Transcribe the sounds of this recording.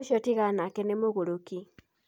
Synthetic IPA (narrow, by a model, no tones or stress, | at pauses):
ʃotiɣanakenemoɣuɾuki